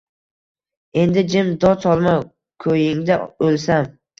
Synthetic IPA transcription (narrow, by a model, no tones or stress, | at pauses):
e̞nd̪ɪd͡ʒɪmd̪ɒt̪ʰɒlˠma | kʰɵjɪŋd̪aolsam